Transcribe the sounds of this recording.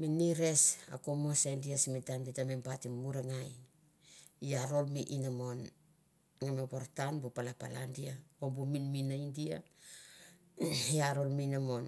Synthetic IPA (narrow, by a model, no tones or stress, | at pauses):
miniɾe̞sa̰komosandiasmitanbitamempatimmuɾeŋaj | iaɾo̞lmiʔinamon | ŋamepoɾtanbupalapa̰landiaobuminminaindia | iaɾo̞lminamon